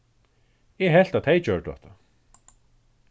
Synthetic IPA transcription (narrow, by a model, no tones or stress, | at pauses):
ɛɦɛl̥t̪at̪ʰejt͡ɕœɹʈ̪ɔ̰ht̪a